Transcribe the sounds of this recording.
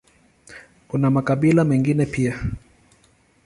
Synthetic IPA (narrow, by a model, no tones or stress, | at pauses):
kunamakaɓilamɛŋɡinɛpia